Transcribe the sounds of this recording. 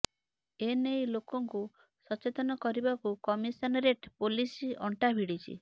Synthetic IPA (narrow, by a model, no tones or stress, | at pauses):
enejlokɔŋku | sɔt͡ʃet̪ɔnɔkɔɾibakukɔmisɔnɾeʈpolisiɔɳʈabʱiɽit͡ʃʰḭ